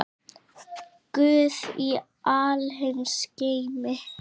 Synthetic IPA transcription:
kʏːði | alɦɪnsceːjmɪ

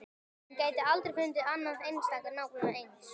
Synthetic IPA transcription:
uncaːjt̪ɪalt̪ɾeɾkʰʏnt̪ɪanːansejnst̪aːkaɾnawknʏnaejns

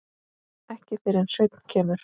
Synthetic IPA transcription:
ɛhcɪθɪɾɛnsœɥt̪n̥cʰɛːmʏɾ̥

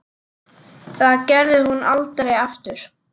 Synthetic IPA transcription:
θaðcɛɾðɪhunalt̪ɾejaft̪ʏɾ̥

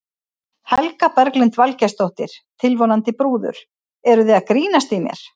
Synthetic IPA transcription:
hɛlkapɛɾklɪnt̪valcɛst̪owht̪ɪɾ̥t̪ʰɪlvonant̪ɪpɾuːðʏ̰ɾ̥ | ɛɾʏðɪaðkɾiːnast̪imjɛ̰ɾ̥

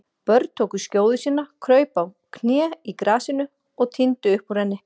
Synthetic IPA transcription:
pœɾt̪̚t̪ʰoːwkʏscoːwðʏsiːnːakʰɾœːɥpaw | kʰnjɛːikɾaːsɪnʏ | ɔɣt̪ʰɪnt̪ʏʏhpuɾ̥hɛnːɪ

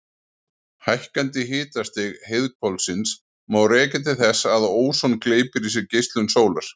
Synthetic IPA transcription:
hajhkant̪ɪɦɪːt̪ast̪ɪɣheðkʰvɔlsɪns | mawrɛːcɛt̪̬ɪθɛsaðoːwsownkleːjpɪɾis̬ɛɾcejst̪lʏnsoːwlaɾ̥

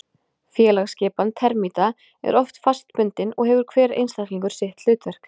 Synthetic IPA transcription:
fjɛːlaɣscɛːpant̪ʰɛɾmit̪a | ɛ̰ɾɔft̪fast̪pʏnt̪ɪnɔɣɦɛvʏɾkʰvɛːɾḛjnst̪akliŋkʏɾ̥sɛht̪l̥ʏːt̪vɛr̥k

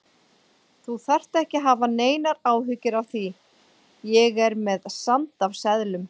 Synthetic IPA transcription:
θuθar̥t̪ɛhcɪɦaːvaneːjnaɾaːwɦʏcɪɾavθi | jɛɣɛɾmɛðsant̪avsɛðlʏm

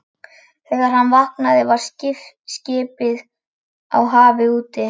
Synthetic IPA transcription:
θɛːɣaɾ̥ɦanːvahknaðɪvaɾ̥scɪf | scɪːpɪð | a̰wɦaːvɪuːt̪ɪ

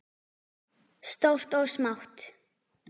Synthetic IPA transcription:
st̪ɔft̪ɔɣsmawht̪

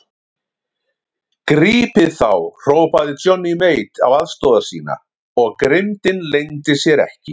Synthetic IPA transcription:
kɾiːpɪðθawr̥oːwpaðɪt͡ʃɔnːimeːjt̪a̰waðst̪ɔːwðasḭːna̰ | ɔɣkɾɪmt̪ɪnlejnt̪ɪsjɛɾɛ̰hcɪ

